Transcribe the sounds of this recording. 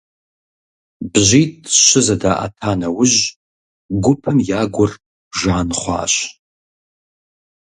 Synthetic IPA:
bʒʷitʼʃʷɨzadaʔa̰tʰanawʊʒ | ɡʷʊpʰɨmjaːɡʷʊr | ʒaːnχʷa̰ːɕ

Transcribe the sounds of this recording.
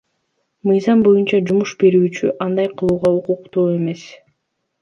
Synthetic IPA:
mɯjzɑmbo̞junt͡ʃɑd͡ʒumuʃbe̞ɾyːt͡ʃyʔɑnd̪ɑjqʰɯlˠuːʁɑuquqt̪uːe̞me̞s

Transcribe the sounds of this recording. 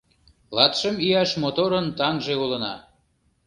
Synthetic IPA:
lɑt̪ʃəmijɑʃmot̪oɾənt̪ɑŋʒeulənɑ̰

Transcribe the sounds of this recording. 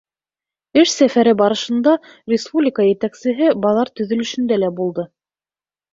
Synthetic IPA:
ɘʃsæfæɾɘbɑɾɤ̆ʃɤ̆nd̪ɑ | rʲɪspublʲɪkəjɘ̆t̪æksɘ̆ɦɘbɑlˠɑɾt̪ɵ̆ðɵ̆lɵ̆ʃɵ̆nd̪ælæbulˠd̪ɤ

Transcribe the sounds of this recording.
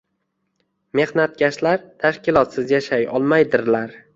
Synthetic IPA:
me̞hnat̪̚ɡʲaʃlaɾt̪ʰaʃkʲɪlˠɒt̪sɪzjaʃajɒ̰lˠmajd̪ɪɾlaɾ

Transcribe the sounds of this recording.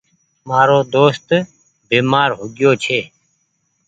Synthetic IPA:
maːɾoːd̪oːst̪ | beːmaːɾɦʊɡjoːt͡ʃʰeː

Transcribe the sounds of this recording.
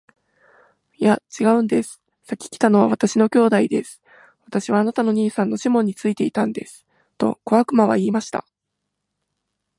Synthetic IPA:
jat͡ɕiɡaɯ̟̃nd̪e̞sɨ̥ | sakʲi̥kʲi̥t̪ano̞β̞aβ̞at̪aɕino̞kʲo̞ːd̪aid̪e̞sɨ̥ | βat̪aɕiβaːnat̪ano̞ɲ̟iːsãnːo̞ɕimõ̞ɲ̟ːit͡sɨit̪e̞it̪ãnd̪e̞sɨ̥ | t̪o̞̰ko̞βakɯ̟maβ̞a̰iːmaɕi̥t̪a̰

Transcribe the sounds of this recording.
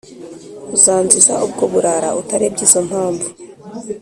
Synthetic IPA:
uzaːnzizaʔub̚ɡoβuɾaɾautaɾebɟiːzo̞n̥haːmbu

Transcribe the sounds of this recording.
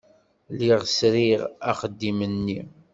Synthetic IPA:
liʁsɾiʁæχəd̪ːimənːi

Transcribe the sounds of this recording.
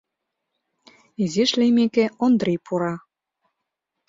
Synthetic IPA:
iziʃlʲemekeond̪rʲejpʰuɾɑ

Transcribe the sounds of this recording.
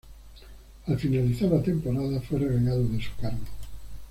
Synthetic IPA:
afinaliθaɾat̪empoɾaðafwerɾeɣeɣaðoðesu̥kaɾɣo

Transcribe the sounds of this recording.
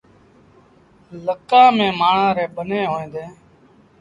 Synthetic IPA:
ləkãːmẽːmaːɳ̤ãːɾeːbəneːɦoːẽːd̪eː

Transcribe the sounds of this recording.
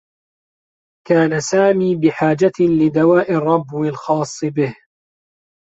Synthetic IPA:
kaːnasaːmiːbɪħaːd͡ʒalɪd̪awaːʔɪrˤːɑbːwɪlxɑːsˤːɨbɪh

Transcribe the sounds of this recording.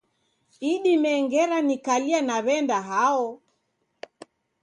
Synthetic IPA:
iɗimɛŋɡɛɾanikalianaβɛndaɦaɔ

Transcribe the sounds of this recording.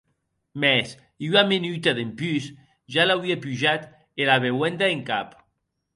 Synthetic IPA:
mɛs | yamenyt̪aðempys | ʒalawiapyʒat̪ | elaβewɛnd̪aeŋkap

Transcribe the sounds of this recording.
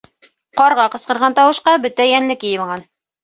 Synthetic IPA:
qɑɾʁɑqɤ̆sqɤ̆ɾʁɑnt̪ɑwɤ̆ʃqɑbɵt̪æjænlɘkjɘ̆jɤ̆lˠʁɑn

